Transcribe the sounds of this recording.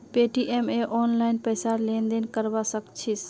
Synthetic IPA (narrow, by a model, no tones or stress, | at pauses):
peʈiʔemeʔɔːnlaɪnpəːsaɾlẽːnd̪enkəɾbasəkt͡ʃʰis